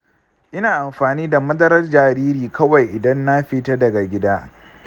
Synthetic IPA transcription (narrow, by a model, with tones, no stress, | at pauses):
ʔɪ˦naː˨ʔa˨mɸaː˨niː˦da˨mɐ˦zɐ˦ɾɐ˦rd͡ʒaː˨ɾiː˦ɾiː˨kʰɐ˦wa˨jʔɪ˨dɐ˦nːa˦ɸi˦tɐ˦dɐ˨ɡa˨ɡʲɪ˦daː˦